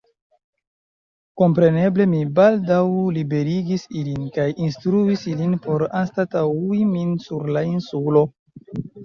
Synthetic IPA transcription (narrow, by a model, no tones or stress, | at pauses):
ko̞mpɾe̞ne̞ble̞mibaldawlibe̞ɾiɡisilinkajinstɾuisilinpo̞ɾanstatauiminsuɾlainsulo̞